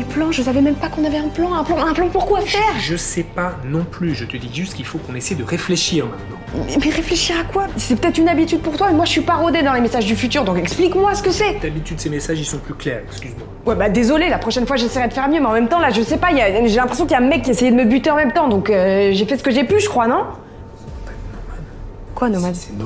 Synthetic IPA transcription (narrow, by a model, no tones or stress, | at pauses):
plɑ̃ʒəsavɛmɛmpakɔ̃navɛɛ̃plɑ̃ɛ̃plɑ̃ɛ̃plɑ̃puʁkwaafɛːʁʒəsɛpanɔ̃plyʒət̪əd̪iʒyst̪̚kilfokɔ̃nesɛjd̪əʁefleʃiːʁɑ̃mɛ̃t̪nɑ̃mɛʁefleʃiʁakwasɛpø̥t̪ɛt̪χynabit̪yd̪̚puʁt̪wamɛmwaʒəsɥipaʁɔd̪ed̪ɑ̃lemesaʒd̪yfyt̪yːʁd̪ɔ̃kɛksplikmwasə̥kəsɛt̪abit̪yd̪əsemesaʒilsɔ̃plyklɛːʁɛkskʲyzmwa | wɛbad̪ezɔlelapχɔʃɛnfwaʒesɛjʁɛd̪əfɛʁmjømeɑ̃mɛmt̪ɑ̃laʒəsɛpailaʒelɛ̃pχes̬jɔ̃kiljamɛkʲːiesejɛd̪əməbyt̪eɑ̃mɛmt̪ɑ̃d̪ɔ̃køʒefɛsə̥kəʒepyʒəkχwanɔ̃ | panɔmad̪ | kwanɔmad̪